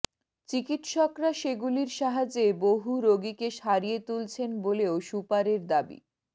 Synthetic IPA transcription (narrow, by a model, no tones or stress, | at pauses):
t͡ɕikit̪ʃɔkɾaʃeɡuliɾʃaɦad͡ʑeboɦuɾoɡikeʃaɾijet̪ult͡ɕʰenboleoʃupaɾeɾd̪abḭ